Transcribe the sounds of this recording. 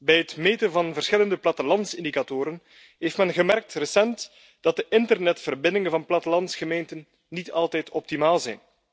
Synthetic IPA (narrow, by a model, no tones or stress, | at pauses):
bɛjətmeːtənvɑnvərsxɪləndəplɑtəlɑntsɪndikatoːɾən | ɦeftmɛnɣəmɛrk̚trəsɛnt | d̥ɑt̚dəʔɪntərnɛtfərbɪndɪŋənvɑnplɑtəlɑntsxəmeːntənː | itɑlˠtɛjtʰɔp̚timaːlˠzɛjn